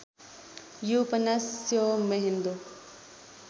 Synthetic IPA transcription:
jupɐnɐsjomeɦind̪o

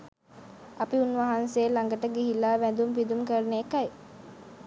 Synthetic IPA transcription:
apiunʋaɦanseːlaŋɡəʈəɡiɦilaːʋænd̪umpid̪umkəɾənekaj

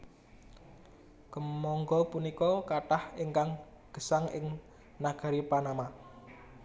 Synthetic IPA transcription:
kəmɔŋɡɔpunikɔkaʈaheŋkaŋ | ɡ̥ə̤saŋʔɪ̰ŋ | naɡ̥a̤ɾipanama

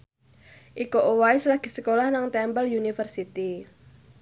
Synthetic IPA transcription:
ʔikoʔowaislaɡ̥i̤səkolahnaŋt̪ɛmbəljunifərsit̪i

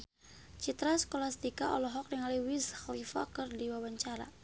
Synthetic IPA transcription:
t͡ʃit̪ɾasə̥kolast̪ikaɔ̰lɔɦɔk̚niŋaliwishlifa̰kərdiwawaɲt͡ʃaɾa̰

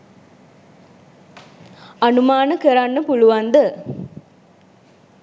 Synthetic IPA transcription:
ɐnumaːnəkəɾanːəpuluʋand̪ə

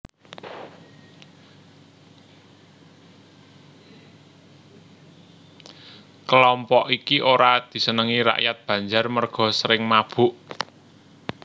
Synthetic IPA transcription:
kəlɔmpɔʔikiʔoɾad̪̥i̤sənəŋiɾa̰ʔjat̪̚b̥ä̤ɲd͡ʒarmərɡ̥ɔ̤səɾɪŋmab̥ṳʔ

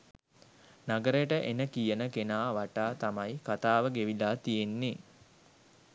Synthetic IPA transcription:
naɡəɾəjəʈəʔenəkijənəkenaːʋaʈaːt̪amajkat̪aːʋəɡeʋilaːt̪ijenːe

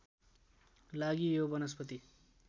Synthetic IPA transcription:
laɡijobʌnʌspʌt̪i

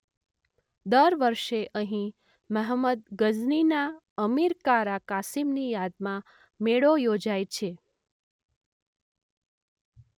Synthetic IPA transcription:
d̪əɾʋəɾʃeʔəɦĩ | məɦməd̪̚ɡəznina | əmiɾkaɾakasimnijad̪mã | meɭojod͡ʒajt͡ʃʰe

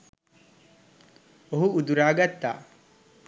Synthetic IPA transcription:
oɦuud̪uɾaːɡɐt̪ːa̰ː

